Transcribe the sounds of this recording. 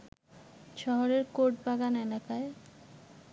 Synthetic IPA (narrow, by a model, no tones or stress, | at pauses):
ʃɔɦoɾeɾkoɾʈbaɡanelakae